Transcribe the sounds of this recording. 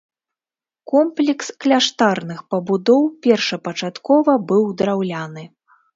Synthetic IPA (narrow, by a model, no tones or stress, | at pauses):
kɔmplʲɛksklʲaʂt̪arnɨxpɐbud̪ɔwpʲɛrʂɐpɐt͡ʂat̪kɔvɐbɨwd̪ɾawlʲanɨ